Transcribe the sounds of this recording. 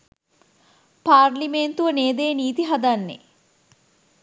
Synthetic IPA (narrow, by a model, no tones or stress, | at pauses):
paːɾliment̪uʋəneːd̪eːniːt̪iɦad̪anːḛ